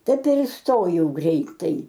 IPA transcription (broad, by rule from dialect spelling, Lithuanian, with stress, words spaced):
ˈtɐɪp ɪr ɪsˈtoːjɛʊ ˈɡrʲɛɪtɐɪ